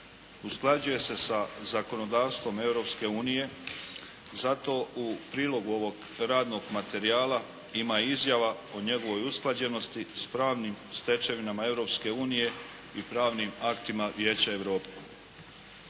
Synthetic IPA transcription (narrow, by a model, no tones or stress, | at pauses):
usklˠad͡ʑuje̞se̞sazako̞no̞d̪aːʋst̪ʋo̞me̞vɾo̞pske̞uːnije̞ | zat̪o̞upɾiːlo̞ɡuo̞ʋo̞ɡ | ɾaːd̪no̞ɡmat̪e̞ɾiaːla | imaizjaʋa | o̞ɲe̞ɡo̞ʋo̞jusklˠad͡ʑe̞no̞st̪ispɾaːʋnimst̪e̞t͡ʃeʋinamaeʋɾo̞pske̞uːnije̞ | ipɾaːʋnimakt̪imaʋjeːt͡ɕae̞ʋɾo̞ːpe